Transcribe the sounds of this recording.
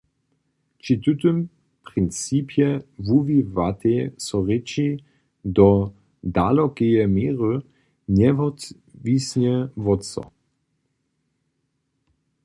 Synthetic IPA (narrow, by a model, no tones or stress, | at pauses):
t͡ʃit̪ut̪ʏm | pʁɪnt͡siːpʰjɛvuvivat̪esɔʁɛt͡ʃi | d̪ɔ | dalɔkejɛmeːʁə | nɛvɔt̪ | visɲɛvɔtt͡sɔ̰